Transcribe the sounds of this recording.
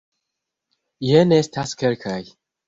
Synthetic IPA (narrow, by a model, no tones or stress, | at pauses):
jenest̪ʰaskeɾkʰaj